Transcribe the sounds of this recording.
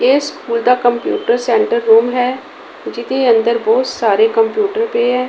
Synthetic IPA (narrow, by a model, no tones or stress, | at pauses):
eːskuːld̪akəmpjṵːʈəɾsɛ̃ːɳʈəɾːuːmɦɛː | d͡ʒɪt̪eə̃nd̪əɾbɔːt̪saːɾekəmpjuːʈəɾpeɦɛː